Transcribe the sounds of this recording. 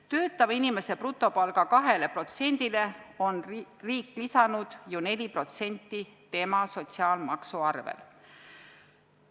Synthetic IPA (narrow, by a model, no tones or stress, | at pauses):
t̪ø̞ːt̪ːˑɑvɑinime̞se̞prut̪ːˑo̞pɑlɡ̥ɑkɑɦe̞le̞pro̞t̪se̞nʲd̪̥ile̞o̞nriːkːˑlisɑnud̪̥june̞lʲipro̞t̪se̞nʲt̪ːˑit̪e̞mɑso̞t̪siɑːlmɑksuɑrvḛl